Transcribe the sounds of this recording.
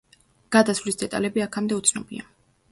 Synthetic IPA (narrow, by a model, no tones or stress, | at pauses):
ɡ̥ad̪asvlisd̪ɛt̪ʼa̰lɛbiakʰamd̪ɛut̪sʰnɔbḭa